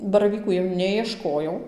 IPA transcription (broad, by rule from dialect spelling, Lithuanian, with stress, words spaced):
bɐrɐˈʋʲiːkuː jɛʊ ˌnʲæːjiɛˈʃkoːjɛʊ